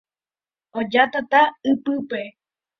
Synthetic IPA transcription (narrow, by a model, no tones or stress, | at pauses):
od͡ʒat̪at̪aɨpɨpe